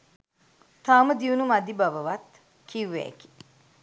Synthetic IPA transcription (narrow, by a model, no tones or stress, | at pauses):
t̪aːməd̪iunumɐd̪ibɐʋɐʋɐt̪ | kʰiʋːḛːki̥